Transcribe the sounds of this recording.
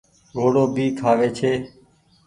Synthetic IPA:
ɡʱoːɽoːbʱiːkʰaːʋeːt͡ʃʰeː

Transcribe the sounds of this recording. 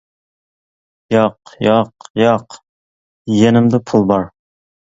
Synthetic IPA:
jɑqjɑqjɑq | jenɪmd̪ɪpʰulˠbɑɾ

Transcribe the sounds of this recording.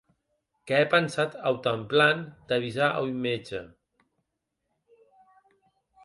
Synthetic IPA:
kɛɛpənsat̪əwt̪əmpland̪̥əβizaʔə̰wjmed͡ʒə̰

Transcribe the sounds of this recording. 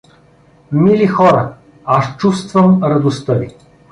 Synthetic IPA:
milixɔɾə | ast͡ʃust̪vəmɾɐd̪ost̪əvi

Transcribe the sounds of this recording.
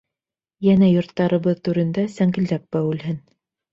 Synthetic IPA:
jænæjŏɾt̪ːɑɾɤ̆βɤðt̪ʉɾɘ̆nd̪æsæŋɡɘ̆ld̪æp̚bæwʉ̆lɦɘn

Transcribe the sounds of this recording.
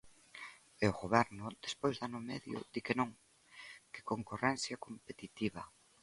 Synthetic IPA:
eʊɣoβɛɾnʊd̪espojzðanʊmɛ̰ðjʊ̰d̪ikɪnõŋ | kɪ̥koŋkorɛn̟θjɐkompet̪it̪iβɐ

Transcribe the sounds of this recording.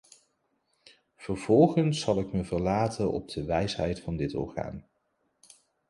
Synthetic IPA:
v̥əɹv̥ɔlˠχənsːɑlˠɪkməvəɹlaːtʰənʔɔ̰b̚d̥əʋɛjsɦɛjtfɑndɪtɔ̰ɹχa̰ːn

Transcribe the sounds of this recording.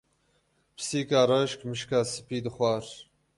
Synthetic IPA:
pʰɨ̥siːkaːɾaʃkmɨʃkaːsɨ̥piːd̪ɨxwɑːɾ

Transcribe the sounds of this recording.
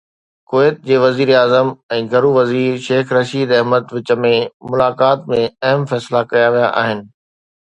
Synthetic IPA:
koːeːt̪̚d͡ʑeːʋɐziːɾaːzəmɛ̃ːɡʱɐɾuʋɐziːɾʃeːxɾɐʃiːd̪ɐɛɦməd̪ʋɪt͡ɕə̆mẽmʊlaːkaːt̪mẽɐɦəmfɛːslakɐjaʋija̰ʔa̰ːɦɪnɪ̆

